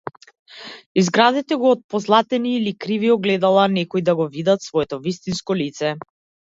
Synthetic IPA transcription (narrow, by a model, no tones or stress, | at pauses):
izɡɾad̪ɛt̪ɛɡɔːt̪̚pɔzlˠat̪ɛniːlikɾiviɔɡlɛd̪alˠanɛkɔid̪aɡɔvid̪at̪svɔɛt̪ɔvist̪inskɔlit̪sɛ